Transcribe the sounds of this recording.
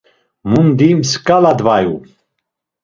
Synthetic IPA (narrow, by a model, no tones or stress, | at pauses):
mund̪imskʼalad̪vaju